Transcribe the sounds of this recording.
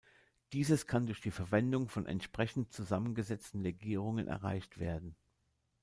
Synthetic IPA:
d̥iːzəskʰandʊɐçd̥iːfɛɐvɛndʊŋfɔnʔɛ̰ntʃpʁ̥ɛçn̩t̚t͡suzamənɡəzɛt͡stn̩ʁeɡiːʁʊŋənʔɛ̰ɐʁ̞a̰ɪçtv̥ḛːɐdn̩

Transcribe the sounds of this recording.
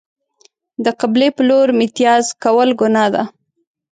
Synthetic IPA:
d̪əqablepəloɾmɪt̪jɑzkawəlɡʊnɑd̪a̰

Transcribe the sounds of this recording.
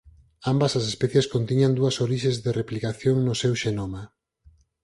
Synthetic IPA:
ambɐsas̬espɛθjeskont̪iɲand̪uɐsoɾiʃẽzðereplikaθjoŋnʊsewʃenoma

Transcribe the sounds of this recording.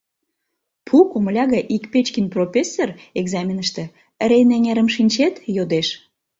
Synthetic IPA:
pʰukoməlʲɑɣəʔikpet͡ɕkinʲprofʲesːereɡzɑmʲinəʃt̪ĕ | əɾeneŋeɾə̆mʃinʲt͡ɕet̪jod̪eʃ

